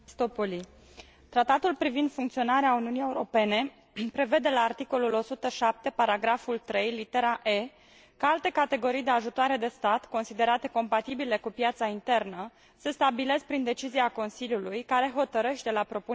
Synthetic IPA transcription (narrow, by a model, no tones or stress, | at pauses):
st̪opoli | t̪ɾat̪at̪ulpɾivind̪fuŋkt̪sio̞naɾeauniunije̞uɾo̞pe̞ne̞ | pɾe̞ve̞d̪e̞laːrt̪iko̞lulo̞sut̪əʃap̚t̪e̞paɾaɡɾafult̪ɾe̞jlit̪e̞ɾaʔe̞ | kaalt̪e̞kat̪e̞ɡo̞ɾijd̪eaʒut̪oaɾe̞d̪e̞st̪at̪ko̞nsid̪e̞ɾat̪e̞ko̞mpat̪ibile̞kupjat̪saint̪e̞rnə | sest̪abile̞sk̚pɾind̪e̞t͡ʃiziako̞nsiljulujkaɾe̞ɦo̞t̪əɾeʃt̪t̪elapɾo̞pu